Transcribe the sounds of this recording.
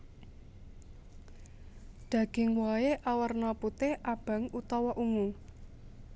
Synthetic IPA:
d̪̥ä̤ɡ̥ɪ̤ŋwaeʔawərnɔput̪eʔab̥a̤ŋut̪ɔwɔʔuŋu

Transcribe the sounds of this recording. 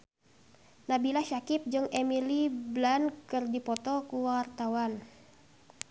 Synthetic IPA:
nabilaʃakip̚d͡ʒɨŋemiliblankɨrdipɔt̪ɔkuwart̪awan

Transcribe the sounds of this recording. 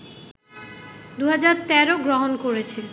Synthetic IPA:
d̪uɦad͡ʑaɾt̪ɛɾoɡɾoɦonkoɾet͡ɕʰe

